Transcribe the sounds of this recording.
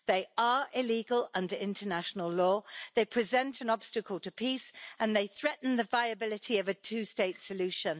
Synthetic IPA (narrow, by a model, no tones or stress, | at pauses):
ðeɪəɹɪliːɡəlʌ̃ndəɪ̃ntʰənaʃənəlˠlɔːðeɪpʰɹ̥ɪzɛ̃ntʰə̃nɒb̥stəkʰəlˠtʰəpʰiˑsə̃nðeɪθɹɛʔn̩ðəvaɪəbɪlɪtʰiəvətʰʉːsteɪtsəlʉˑʃə̃n